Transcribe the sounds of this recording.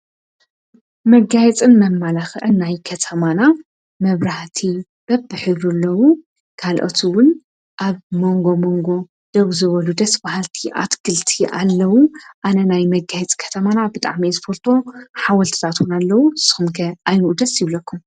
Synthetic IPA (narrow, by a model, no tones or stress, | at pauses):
mɐɡajɛt͡sʼɨnmɐmːalaxʔɨnːajkʰɐt̪ʰɐmana | mɐβɾaht̪ʰi | b̥ɐbːɨħɨβɾɨlːɐwu | kʰalʔo̰t̪ʰiwʊn | ʔaβmo̞ŋɡo̞moŋɡo̞ | d̪̥ɐβzɨβɐlud̪ɐsbahalt̪ʰiʔa̰t̪ɡɨlt̪ʰiʔa̰lːɐwuʔanɐnajmɐɡajɛt͡sʼkʰɐ̥t̪ʰɐmanabɨt̪ʼa̰ʕmispʰoɾt̪ʰo̞ħawɐlt̪ʰɨ̥t̪ʰat̪wunalːɐwusɨ̥xɨmɡɐajnuʔud̪ɐsjɪβlɐkʰːum